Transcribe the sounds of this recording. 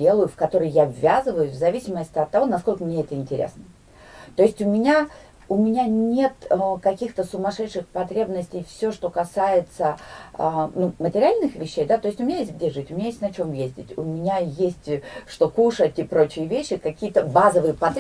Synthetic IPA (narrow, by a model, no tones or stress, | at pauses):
e̞lˠəjʊfkɐt̪o̞ɾɨjjavːʲazɨvəjʊsʲvzɐvʲisʲɪməsʲtʲɪɐt̪ːɐvo̞nɐsko̞lʲkəmnʲeɛt̪əɪnʲtʲɪɾʲʔḛsnə | t̪o̞ɪsʲtʲʊmʲɪnʲa | ʊmʲɪnʲanʲe̞t̪kɐkʲixt̪əsʊmɐʂɛt̪ʂɨxpɐt̪ɾʲebnəsʲtʲɪjfsʲoʂt̪o̞kɐsajɪt̪sə | numətʲɪɾʲɪalʲnɨxvʲɪɕːejd̪at̪o̞jɪsʲtʲʊmʲɪnʲajesʲt̪̚ʲɡ̚dʲeʐɨtʲʊmʲɪnʲajesʲtʲnɐt͡ɕo̞mjezʲdʲɪ̰tʲʊmʲɪnʲajesʲtʲʂt̪o̞kuʂətʲɪpɾo̞t͡ɕɪjəvʲeɕːɪkɐkʲijət̪əbazəvɨjəpɐt̪